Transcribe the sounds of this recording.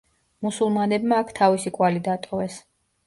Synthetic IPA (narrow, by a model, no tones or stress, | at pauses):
musulˠmanɛbmaːkʰt̪ʰavisikʼwalid̪at̪ʼɔvɛs